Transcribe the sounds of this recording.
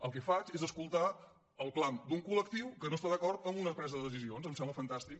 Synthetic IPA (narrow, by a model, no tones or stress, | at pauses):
əlˠkɛfat͡ʃezəskulˠt̪a | əlˠkland̪uŋkuləkt̪iwkənost̪aðəkɔrt̪əmbunəpɾɛzəðəðəs̬izionzəmsɛmbləfənt̪ast̪ik̚